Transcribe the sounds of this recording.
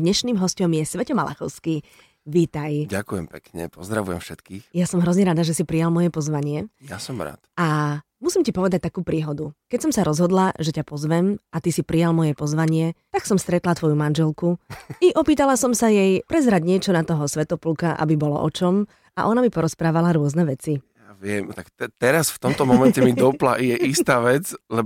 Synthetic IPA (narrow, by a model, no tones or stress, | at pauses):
d̪ɲɛʃniːmɦɔscɔmjɛsʋɛcɔmala̰xɔʊski | ʋiːt̪ajɟakujɛmpɛkɲɛ̰pɔzd̪ɾa̰ʋujɛ̰mfʃɛt̪kiːxjasɔmɦɾɔzɲɛɾad̪aʒɛsipɾijalmɔjɛpɔzʋaɲɪɛja̰sɔmɾa̰ːt̪a | musimcipɔʋɛd̪ac̚t̪akuːpɾiːɦɔd̪ukɛcsɔmsaɾɔzɦɔd̪laʒɛcapɔzʋɛmat̪isipɾijalmɔjɛpɔzʋaɲɪɛt̪aksɔmst̪ɾɛt̪lat̪ʋɔjumanʒɛlkuiʔɔpiːt̪alasɔmsajɛjpɾɛzɾaɟɲɪɛt͡ʃɔnat̪ɔɦɔsʋɛt̪ɔplukaʔa̰bibɔlɔ̰ʔɔt͡ʃɔm | ʔa̰ʔɔnamipɔɾɔspɾaːʋalaɾʊɔznɛʋɛt͡sijaʋɪɛmt̪akt̪ɛt̪ɛɾasft̪ɔmt̪ɔmɔmɛɲcɛmid̪ɔpla̰ijɛʔist̪aːʋɛd͡zlɛ